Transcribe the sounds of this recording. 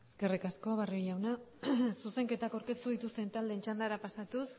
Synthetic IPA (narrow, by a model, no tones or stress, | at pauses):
eske̞rikasko̞βariʎawnasuse̞ŋke̞t̪akawɾke̞st̪uðit̪ust̪e̞nt̪ald̪ent͡ʃand̪aɾapasat̪us